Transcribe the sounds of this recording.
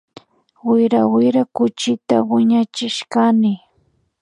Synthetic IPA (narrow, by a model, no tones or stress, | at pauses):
wɪɾawɪɾakʊt͡ʃɪt̪a̰wɪɲat͡ʃɪʃkanɪ